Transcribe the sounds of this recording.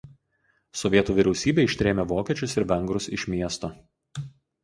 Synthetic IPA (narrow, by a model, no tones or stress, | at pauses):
sɔʋʲiɛt̪uːʋʲɪɾʲɛʊsʲiːbʲeːɪʃʲt̪ʲɾʲeːmʲeːʋoːkʲɛt͡ʃʲʊsɪɾʋʲɛŋɡɾʊsɪʃʲmʲiɛst̪oː